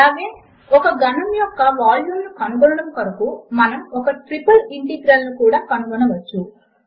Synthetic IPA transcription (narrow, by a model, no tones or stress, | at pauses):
ɐʋin | ɔkɐɡɐnɐmjɔkːɐʋaːljuːmnukɐnuɡɔlɐɽɐmkɐɾɐkumɐnɐmɔkɐʈɾipɐliɳʈiɡɾɐlːukuːɽaːkɐnuɡɐnɐʋɐt͡ʃːu